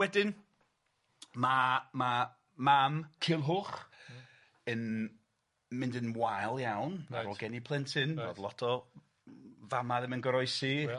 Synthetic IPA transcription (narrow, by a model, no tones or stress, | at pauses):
wɛdɪn | mama | mamkʰɪlˠɦʊχ | ən | mɪndənmwajlˠjawna̰ɾɔɡɛnipʰlˠɛntʰɪnvo̰ðlˠɔtʰɔ | vamaðɛmənɡəɾɔɨsi